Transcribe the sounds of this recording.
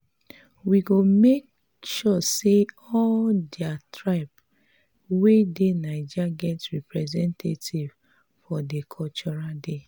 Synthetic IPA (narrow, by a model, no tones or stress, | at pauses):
wiɡomek̚ | ʃɔse | ɔldiatɹaɪp | wedenaɪd͡ʒaɡɛtɹipɹɛzɛ̃ntʰetʰiv̥ | fɔdekʰɔt͡ʃɔɹade